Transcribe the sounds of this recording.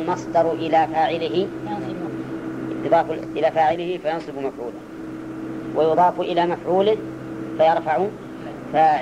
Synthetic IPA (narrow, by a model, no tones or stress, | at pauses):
lmɑsˤd̪ɑɾˤʔɪlafaːʕɪlɪɦɪ | t̪ʊðˤɑːfʔɪlaːfaːʕɪlɪhɪfajɑnsˤɨbmafʕṵːla | wʔajʊðˤɑːfʔɪlamafʕuːlɪ | fajɑɾˤfaʕʊ | fa